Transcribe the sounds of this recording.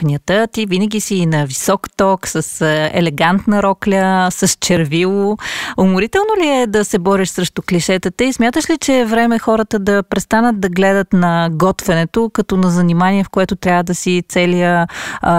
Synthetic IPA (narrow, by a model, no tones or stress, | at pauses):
nʲiət̪ət̪ivinəɡʲisiːnɐvisɔkt̪ɔksəsɛ̰lɛɡant̪nəɾɔklʲəsɐst͡ʃɛɾvilˠoʊmʊɾit̪ɛlˠnoliɛd̪ɐsɛbɔɾɛʃsɾɛʃt̪okliʃɛt̪ət̪əismʲjat̪əʃlit͡ʃɛvɾɛmɛxɔɾət̪əd̪ɐpɾɛst̪anət̪̚d̪ɐɡlɛd̪ət̪nɐɡɔt̪vɛnɛt̪okɐt̪ɔnɐzɐnimaniɛfkoɛt̪ʊt̪ɾʲavəd̪ɐsit̪sɛlijə